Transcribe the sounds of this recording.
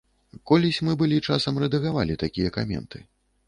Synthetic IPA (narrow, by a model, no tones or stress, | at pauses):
kɔlʲisʲmɨbɨlʲit͡ʂasɐmrɛd̪ɐɣavalʲit̪akʲijɐka̰mʲɛ̰nt̪ʰɨ